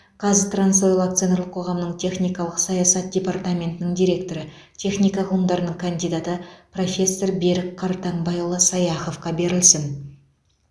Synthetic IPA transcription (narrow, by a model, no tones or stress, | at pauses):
qʰɑzɪt̪ransojlˠak̚t̪sɨenɾlˠəqʰo̞ʁɑmnəɴt̪ʰe̞χnijkɑlˠəqsɑjɑsɑt̪̚d̪ʲe̞part̪amʲe̞nt̪ɪnɪŋd̪ʲijɾʲe̞k̚t̪o̞ɾə | t̪ʲʰe̞χnijkɑʁʰlˠəmd̪ɑɾənəɴkʰand̪ijd̪at̪əpro̞fʲe̞sːorbe̞ɾɪkqʰːɑɾt̪ɑɴbɑjlˠəsɑjɑχo̞fqɑbe̞ɾɪlsɪn